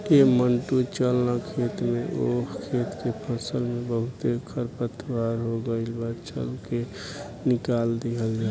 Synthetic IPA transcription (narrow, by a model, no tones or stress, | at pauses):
eməɳʈut͡ʃəlnakʰet̪mẽʔokʰet̪kepʰəsəlmẽbəɦʊt̪ekʰəɾpət̪ʰwaɾɦoɡəɪlbat͡ʃə̰lke | nɪkald̪iɦəld͡ʒaː